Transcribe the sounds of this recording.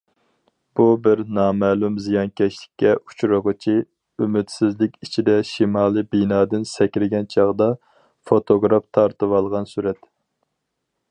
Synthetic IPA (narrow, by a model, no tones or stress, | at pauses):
b̥ubɪɾnɑːmɛːlˠumzijɑnkʲʰɛʃlɪ̥kʲːɛu̥t͡ʃɾɨʁət͡ʃʰi | ymɪt̪sɪzlɪkʲit͡ʃʰid̪ɛʃimɑːlˠɨbinɑːd̪ɪnsɛkʲɾɪɡʲɛnt͡ʃʰɑʁd̪ɑ | fot̪ʰoɡɾɑft̪ʰɑɾt̪ɨwɑlˠʁɑnsuɾɛt̪